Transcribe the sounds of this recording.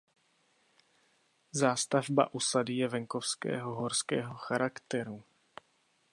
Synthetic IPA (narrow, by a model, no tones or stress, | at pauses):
zaːst̪avba̰ʔusadɪjɛvɛŋkofskɛ̰ːɦoɦoɾskɛːɦoxaɾʔakt̪ɛɾu